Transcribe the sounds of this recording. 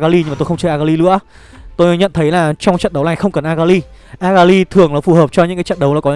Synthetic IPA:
ɣaː˧li˧ɲɨ˧maː˨˩t̪o˧xŋ͡mt͡ɕəː˧ʔaː˧ɣaː˧li˧lɨ̰˧˥ə | t̪o˧jɲə̰˧˨nt̪ʰə˨˦jlaː˨˩t͡ɕɔ˧wŋ͡mt͡ɕə̰˧˨nɗə˨˦wnaː˨˩jxə˧wŋ͡mkə˨˩nʔaː˧ɣaː˧li˧ | ʔaː˧ɣaː˧li˧t̪ʰɨ˨˩əŋlaː˨˩fu˨˩həː˨˩p̚t͡ɕɔ˧ɲɨ̰˧˥ŋkaː˨˦t͡ɕə̰˧˨nɗə˨˦wlaː˨˩kɔ˨˦

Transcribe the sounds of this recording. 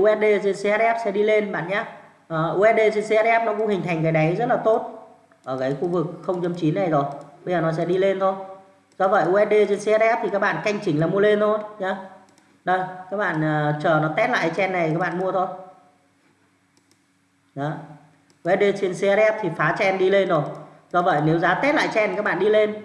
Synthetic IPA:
ʔu˧ʔɛ˦˥t̚ɗe˧t͡ɕe˧nse˧a˧t̚ʔɛ˦˥p̚sɛ̰˧˥ɗi˧le˧nɓa̰ː˧˨nɲaː˨˦ | ʔəː˨˩ʔu˧ɛ˦˥ɗe˧t͡ɕe˧nse˧a˧t̚ʔɛ˦˥p̚nɔ˨˦kʊ̰˧˥ŋ͡mhi˨˩˨jŋ̟kaː˨˦ɗə˨˦jzə˦˥t̚laː˨˩t̪o˦˥t̚ | ʔəː˧˩kaː˨˦jxu˧vɨ˨˩k̚xə˧wŋ͡mt͡ɕə˧mt͡ɕi˨˦nːa˨˩jzo˨˩jɓə˧zəː˨˩nɔ˨˦s̬ɛ̰˧˥ɗi˧le˧nt̪ʰo˧j | zɔ˧və̰˧˨jʔu˧ʔɛ˦˥t̚ɗe˧t͡ɕe˧nsa˧t̚ʔɛ˦˥p̚t̪ʰi˨˩kaː˦˥k̚ɓa̰ː˧˨nka˧jŋ̟t͡ɕï˨˦ŋ̟laː˨˩mu˧ə˧le˧nt̪ʰo˧jɲa˨˦ | ɗə˧˩jkaː˦˥k̚ɓa̰ː˧˨nəː˨˩t͡ɕəː˨˩nɔ˨˦t̪ɛ˦˥t̚la̰ː˧˨kːa˨˦t͡ɕɛ˧nːa˨˩j̪ikaː˦˥k̚ɓa̰ː˧˨mu˧ət̪ʰo˧j | ɗɔ˨˦ | ʔu˧ɛ˨˦t̚ɗe˧t͡ɕe˧nse˧a˧tʔɛ˦˥p̚t̪ʰi˨˩faː˨˦t͡ɕɛ˧nɗi˧le˧nzo˨˩j | zɔ˧və̰˧˨jne˨˦wzaː˨˦t̪ɛ˦˥t̚la̰ː˧˨jt͡ɕɛ˧nkaː˦˥k̚ɓa̰ː˧˨ɗi˧le˧n

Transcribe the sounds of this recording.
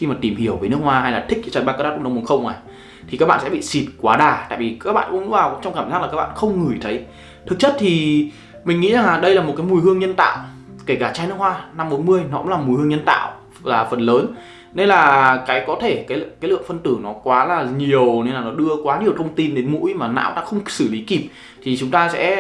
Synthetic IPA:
xi˧maː˨˩t̪i˧˩mhi˧˩əwvəː˨˦nɨ˦˥ək̚hwaː˧ha˧jlaː˨˩t̪ï˦˥k̟̚t͡ɕaː˨˧˩ɓa˦˧kaː˦˥˦a̰˦˥˧wmu˨˧˦xə˧wŋ͡mʔa˨˩j | t̪ʰi˨˩kaː˦˥k̚ɓa̰ː˧˨sɛ̰˧˥ɓḭ˧˨si˨˩t̚kwaː˨˦ɗaː˨˩t̪a̰ː˧˨jvi˨˩kaː˦˥k̚ɓa̰ː˧˨kʊ̰˧˥ŋ͡mvaː˨˩kŋ͡mt͡ɕɔ˧wŋ͡mkaː˧˩mzaː˦˥k̚aː˨˩a˦˥k̚ɓa̰ː˧˨xə˧wŋ͡mŋɨ˨˩jt̪ʰə˨˦j | t̪ʰɨ˨˩k̚t͡ɕə˦˥t̚t̪ʰi˨˩ | mï˨˩ŋ̟ŋḭ˧˥za˨˩ŋaː˨˩ɗə˧jlaː˨˩mo˨˩t̚ka˨˦mu˨˩jhɨ˧əŋɲə˧nt̪a̰ː˧˨w | ke˧˩kaː˧˩t͡ɕaː˧jn˦˥ək̚hwaː˧na˧mɓo˨˦nmɨ˧əjnɔ˨˦kʊ˧˥ŋ͡mlaː˨˩mu˨˩jhɨ˧əɲə˧nt̪a̰ː˧˨w | laː˨˩fə˨˩nləː˨˦n | ne˧nlaː˨˩kaː˨˦jkɔ˨˦t̪ʰe˧˩kaː˨˦jkaː˨˦lɨ̰˧˨əŋfə˧nt̪ɨ˧˩nɔ˨˦kwaː˨˦laː˨˩ɲi˨˩əwne˧nlaː˨˩nɔ˨˦ɗɨ˧əkwaː˨˦ɲi˨˩əwt̪ʰə˧wŋ͡mt̪i˧nɗe˨˦nmṵ˧˥jmaː˨˩na̰ː˧˥wɗa̰ː˧˥xə˧wŋ͡msɨ˧˩li˨˦ki˨˩p̚ | t̪ʰi˨˩t͡ɕʊ˨˦ŋ͡mt̪aː˧sɛ̰˧˥

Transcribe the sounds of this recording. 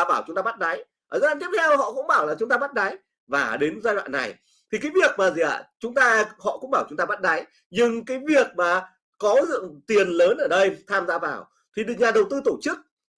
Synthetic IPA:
ɓaː˧˩wt͡ɕʊ˨˦ŋ͡mt̪aː˧ɓa˦˥t̚ɗa˨˦j | ʔəː˨˩zə˦˥laː˧˩t̪i˦˥p̚t̪ʰɛ˧whɔ̰˧˨kʊ̰˧˥ŋ͡mɓaː˧˩wlaː˨˩t͡ɕʊ˨˦ŋ͡mt̪aː˧ɓa˦˥t̚ɗa˨˦j | vaː˨˩ɗe˨˦nzaː˧jwa̰ː˧˨nːa̰˨˩j | t̪ʰi˨˩kaː˨˦jvi˨˩ək̚maː˨˩zi˨˩ʔa̰ː˧˩t͡ɕʊ˨˦ŋ͡mt̪aː˧hɔ̰˧˨kʊ̰˧˥ŋ͡mɓaː˧˩wt͡ɕʊ˨˦ŋ͡mt̪aː˧ɓa˦˥t̚ɗa˨˦j | ɲɨ˧ŋkaː˨˦jvi˨˩ək̚maː˨˩ | kɔ˨˦zɨ̰˧˨əŋt̪i˨˩ənləː˨˦nʔəː˧˩ɗə˧jt̪ʰaː˧mzaː˧vaː˨˩w | t̪ʰi˨˩ɗɨ˨ɲaː˨˩ɗə˨˩wt̪ɨ˧t̪o˧˩t͡ɕɨ˦˥k̚

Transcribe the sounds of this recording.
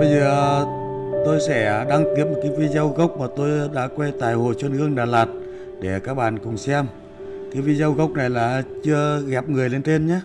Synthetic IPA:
ɓə˧jzəː˨˩ | t̪o˧jsɛ˧˥ɗa˧ŋt̪i˨˥əp̚mo˨˩t̚kaː˨˦jvi˧zə˧wɣə˦˥wk͡p̚maː˨˩t̪o˧jɗa̰ː˧˥kwɛ˧t̪aː˨˩jho˨˩t͡ɕwə˧nhɨ˧əŋɗaː˨˩laː˨˩t̚ | ɗe˧˩kaː˦˥k̚ɓa̰ː˧˨nkʊ˨˩ŋ͡msɛ˧m | kaː˨˦jvi˧zə˧wɣə˦˥wk͡p̚na˨˩jlaː˨˩t͡ɕɨ˧əɣɛ˨˩p̚ŋɨ˨˩əjle˧nt͡ɕe˧nɲaː˨˦

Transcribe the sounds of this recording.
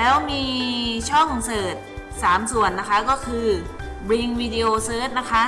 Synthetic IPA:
lɛː˦˥wmiː˧t͡ɕʰɔ˥˩ŋsɤː˨˩t̪̚saː˩˦msu˨˩˦ənːa˦˥kʰa˦˥kɔː˥˩kʰɯː˧bɾi˧ŋwiː˧di˧ʔoː˧sɤː˦˥t̪̚na˦˥kʰa˦˥ʔ

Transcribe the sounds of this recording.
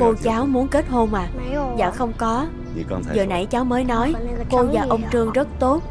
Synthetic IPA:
ko˧t͡ɕaː˨˦wmu˨˦ənke˦˥t̚ho˧nʔaː˨˩zaː˨˩xə˧wŋ͡mkɔ˨˦ | zəː˨˩na̰˧˩jt͡ɕaː˨˦wməː˨˦jnɔ˨˦jko˧vaː˨˩ʔə˧wŋ͡mt͡ɕɨ˧əŋzə˦˥t̚t̪o˦˥t̚

